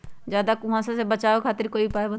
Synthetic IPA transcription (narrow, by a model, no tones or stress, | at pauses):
d͡ʒjaːd̪akʊmãsasebət͡ʃaːokʰaːt̪ɪɾkoːipaːbə